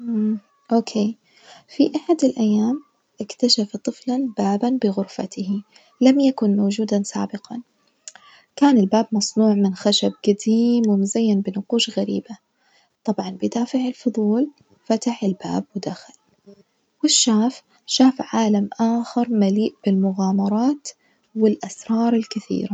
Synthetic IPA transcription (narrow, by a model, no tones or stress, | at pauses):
ʔoːkʰeː | fiʔaħad̪ɪlʔajːaːm | ʔɪkt̪aʃaft̪ˤɨflanbaːbanbɪɣʊɾfa̰t̪ɪh | lamjakʊnmawd͡ʒuːd̪ansa̰ːbɪqɑn | kaːnɪlbaːbmɑsˤnuːʕmɪnxaʃab̚ɡad̪iːmwɪmʊzajːɪnbɪnʊquːʃɣaɾḭːba | t̪ˤɑbʕɑnbɪd̪aːfɪʕɪlfʊðˤuːl | fat̪aħɪlba̰ːb̚wɪd̪axal | wɪʃːaːf | ʃaːfʕaːlamʔaːxɪɾˤmaliːʔb̥ɪlmʊɣaːmɑɾˤɑːt̪ | wɪlʔasɾˤɑːɾˤɪlkɪθḭːɾa